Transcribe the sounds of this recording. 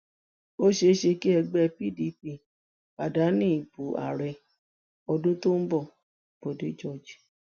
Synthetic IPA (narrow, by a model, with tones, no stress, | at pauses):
o˦ʃe˧˦ʃe˧ki˦ɛ˧ɡ͡bɛ˦˧pi˦˨di˧˦pi˧˨ | pa˨da˨˦nĩ˦˨i˨bu˨a̰˨ɾɛ˧ | ɔ˧dũ˦to˦n̩˦bɔ˦˨ | b̥o˨de˨˦d͡ʒɔ˦˨d͡ʒi˨